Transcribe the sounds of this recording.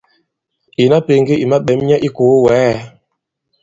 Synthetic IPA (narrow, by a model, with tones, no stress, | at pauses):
i˨na˦pe˨ŋ˦ɡi˦i˨ma˦ɓɛ˨˦m˦ɲa˦ʔi˦ko˨˦wɛ˨˦˨